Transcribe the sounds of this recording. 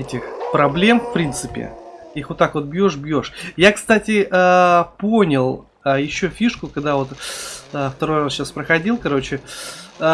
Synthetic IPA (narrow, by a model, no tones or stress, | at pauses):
ɛtʲɪxpɾɐblʲe̞mfpɾʲint̪sɨpʲɪ̰ixvot̪ːakvo̞t̪̚bjo̞ʂbjo̞ʂjakst̪atʲɪʔəpo̞nʲɪlˠ | əjɪɕːofʲiʂkʊkɐɡd̪avo̞t̪əft̪ɐɾo̞jrasɕːaspɾəxɐdʲilˠkɐɾo̞t͡ɕɪ